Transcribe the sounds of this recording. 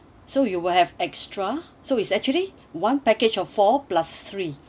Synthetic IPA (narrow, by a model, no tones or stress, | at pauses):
sojuwilhɛvɛkstɹa | soitsɛk̚t͡ʃuəli | wãnpɛket͡ʃɔffɔplast̪ɹi